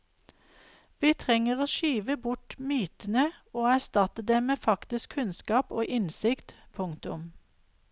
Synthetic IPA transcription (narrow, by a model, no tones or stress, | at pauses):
ʋiːt̪ʰʁɛŋəʁoːʃyːʋəbʊʈmyːt̪ən̩əoːæst̪ɑt̪əd̪eːmeːfɑkt̪ɪskʰʉnskɑːpoːʔɪnsɪkt̪pʰʊŋt̪ʊm